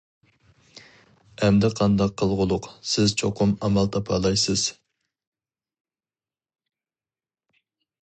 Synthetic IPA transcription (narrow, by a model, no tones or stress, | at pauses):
ɛmd̪ɪqʰɑnd̪ɑqʰːəlˠʁʊlˠʊqsɪz̥t͡ʃʰoqʰʊmɑmɑlˠt̪ʰɑpʰɑːlˠɑjsɨz̥